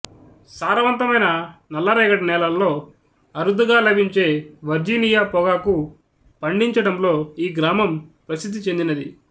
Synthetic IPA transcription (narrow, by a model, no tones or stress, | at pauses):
saːɾɐʋɐnt̪ɐmɐjnɐnɐlːɐɾɛːɡɐʈɐnɛːlɐllo̞ː | ɐɾud̪uɡaːlɐbʱiɲt͡ʃe̞ːʋɐɾd͡ʒiːnijaːpɔɡaːku | pɐɳɖiɲt͡ʃɐɽɐmlo̞ːiːɡɾaːmɐmpɾɐsid̪ʱːit͡ʃe̞nd̪inɐd̪i